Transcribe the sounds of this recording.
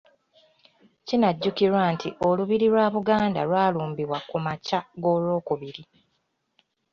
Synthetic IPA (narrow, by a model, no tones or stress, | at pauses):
cinaɟːukiɾwantʰiʔo̞luβiɾiɾwaːβuɡaːnda̰ɾwaːluːmbiβwakumacaɡo̞ːlo̞ːkuβiɾi